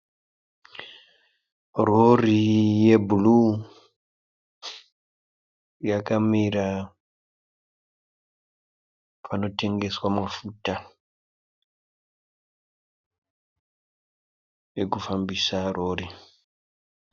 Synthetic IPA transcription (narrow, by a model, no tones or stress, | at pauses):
rorije̞bulu | jakamiɾa | pʰano̞te̞ŋɡe̞swamwafuta | jekufambisaro̞ːri